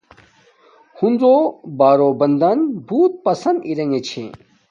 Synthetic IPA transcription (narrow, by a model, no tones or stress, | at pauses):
hunɾobaːɾoːbɐnd̪ɐnbʱuːt̪̚pɐsɐnd̪iɾɐŋɡet͡ɕʰḛ